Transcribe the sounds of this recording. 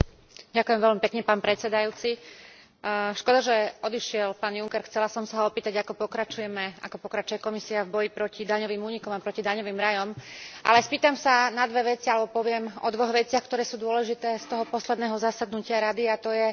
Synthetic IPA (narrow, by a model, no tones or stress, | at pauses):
ɟakʊjɛmʋɛlʎmipɛkɲɛpaːnpɾɛt̪t͡sɛd̪ajuːt͡si | ʃkɔd̪aʒɛɔd̪iʃɪɛlpaːnjuŋkɛɾxt͡sɛlasɔmsaɦɔɔpiːt̪aɟakɔpɔkɾat͡ʃujɛmɛʔa̰kɔpɔkɾat͡ʃujɛkɔmisiavbɔjipɾɔcid̪aɲɔʋiːmuːɲikɔmapɾɔcid̪aɲɔʋiːmɾajɔmʔa̰lɛspiːt̪amsanad̪ʋɛʋɛt͡sialɛbɔpɔʋɪɛmɔ̰d̪ʋɔɣʋɛt͡sɪaxkt̪ɔɾɛːsuːd̪ʊɔlɛʒit̪ɛːst̪ɔɦɔpɔslɛd̪nɛːɦɔzasad̪nucɪaɾad̪iat̪ɔjɛ